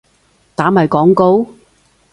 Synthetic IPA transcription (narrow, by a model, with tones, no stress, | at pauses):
t̪aː˨˥mɐ˨jkɔː˨˥ŋko˧˥w